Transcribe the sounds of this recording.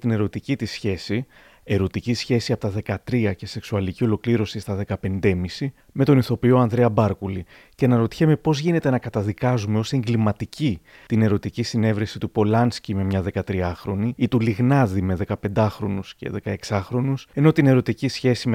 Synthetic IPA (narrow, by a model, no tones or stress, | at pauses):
t̪ine̞ɾo̞t̪icit̪isçe̞si | e̞ɾo̞t̪icisçe̞siɐpot̪ɐðe̞kɐt̪ɾiɐce̞se̞ksuɐlicio̞lo̞kliɾo̞sist̪ɐðe̞kɐpe̞nd̪e̞misi | me̞t̪o̞niθo̞pioɐnðɾeɐbɐɾkuli | ce̞nɐɾo̞t̪i̥çeme̞po̞zʝine̞t̪e̞nɐkɐt̪ɐðikɐzume̞o̞se̞ŋɡlimɐt̪ici | t̪ine̞ɾo̞t̪icisine̞vɾesit̪upo̞lɐnscime̞mɲɐðe̞kɐt̪ɾiɐxɾo̞niit̪uliɣnɐðime̞ðe̞kɐpe̞nd̪ɐxɾo̞nusce̞̰ðe̞kɐe̞ksɐxɾo̞nuse̞no̞t̪ine̞ɾo̞t̪icisçe̞sime